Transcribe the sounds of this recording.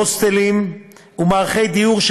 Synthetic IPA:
ost̪elim | umaːʁχejd̪ijuʁʃ

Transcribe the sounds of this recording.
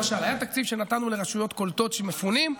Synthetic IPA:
ʃalhajat̪ak̚t͡sivʃe̞nat̪anuleʁaʃujo̞t̪ko̞lt̪o̞t̪ʃemefunim

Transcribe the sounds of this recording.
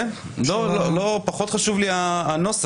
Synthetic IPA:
lololopaχo̞t̪χaʃuvliaːnos

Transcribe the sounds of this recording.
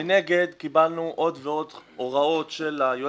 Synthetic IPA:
ene̞ɡe̞d̪kibalnuʔo̞d̪veo̞d̪ʔoʁao̞t̪ʃelajo

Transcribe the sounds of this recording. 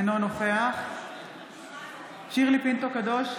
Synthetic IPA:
nonoχe̞aχ | ʃiʁlipint̪okad̪o̞ʃ

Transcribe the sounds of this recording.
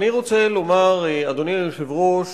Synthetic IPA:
niʁo̞t͡selo̞maʁead̪onijoʃevʁoʃ

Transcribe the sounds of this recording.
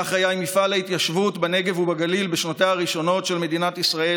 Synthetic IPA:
aχajajmifalait̪jaʃvutbane̞ɡe̞vubaɡalilbeʃnat̪aaʁiʃo̞no̞tʃe̞lme̞d̪inat̪isʁae

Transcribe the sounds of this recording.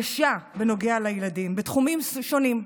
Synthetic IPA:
ʃabeno̞ɡealajeladimbet̪χumimʃo̞nim

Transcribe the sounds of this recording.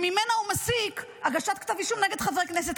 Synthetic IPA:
mimenaumasikaɡaʃat̪̚kt̪aviʃumneɡe̞d̪χavʁeknes̬et̪

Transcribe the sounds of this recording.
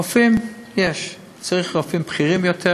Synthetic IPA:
ɔfɪmjɛʃ | t͡seɪχəʁɔfɪmpχiʁɪmjɔtʰɛ

